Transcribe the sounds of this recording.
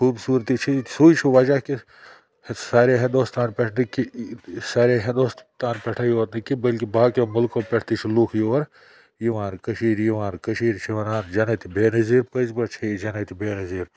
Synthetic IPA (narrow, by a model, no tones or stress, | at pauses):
xuːbsuːɾt̪it͡ʃʰisuːit͡ʃʰiʋɐd͡ʒaki | saːɾeɦɐ̃nd̪oːst̪aːnpɛʈʰnikisaːɾeɦɐ̃nd̪ost̪aːnpɛʈʰaːjoːt̪nɐkːibɐlkibaːkemʊlkopɛʈʰt̪it͡ʃʰiluːkʰjiɐɾ | jiʋãːnkəʃiːɾjiʋaːnkəʃiːɾt͡ʃʰiʋɐnaːnd͡ʒɐnɐt̪ʰibeːnɐziːɾpəzbɐt͡ʃʰid͡ʒɐnɐt̪ʰibeːnɐziːɾ